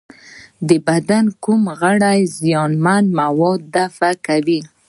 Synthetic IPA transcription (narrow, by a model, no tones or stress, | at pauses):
d̪əbad̪ankumɣaɽajzijɑnmanmawɔd̪ːafakawi